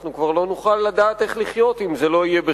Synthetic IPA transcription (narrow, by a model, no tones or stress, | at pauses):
χnukvaʁlo̞nuχalːad̪aːt̪e̞χliχjo̞t̪imze̞lo̞ijebe